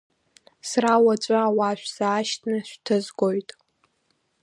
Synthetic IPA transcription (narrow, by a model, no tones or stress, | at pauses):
srawat͡ʃʷʼaawaʃᶣʷsaːʃtʰnɨʃʷᶣtʰɨzɡʷojtʼ